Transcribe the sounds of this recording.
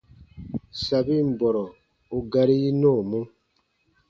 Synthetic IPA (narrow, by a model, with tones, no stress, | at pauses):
sa˨bi˦m̩˨bɔ˨ɾɔ˨ | o˨ɡa˨ɾi˦i˦noː˦˨mo˦